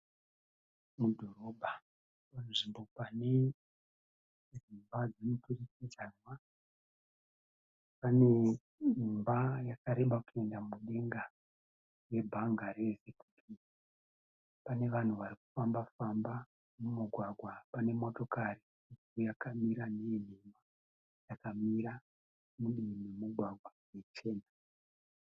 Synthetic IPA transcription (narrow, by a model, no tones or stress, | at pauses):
mudʱo̞ɾo̞bʱa | pan̤uʐimbo̞pane̞ | rumbad͡zemuturisizarwa | pane̞ | umbajakaɾe̞ɓakue̞ndamuɗe̞ŋɡa | we̞bʱaŋɡaɾe̞se̞ku̥tʰi | pane̞ʋan̤uʋaɾiku̥fambafamba | mumuɡʱwaɡʱwapane̞mo̞to̞kari | isujakamiɾanen̤ema | jakamiɾa | muɗimimuɡʱwaɡʱwajet͡ʃe̞ːna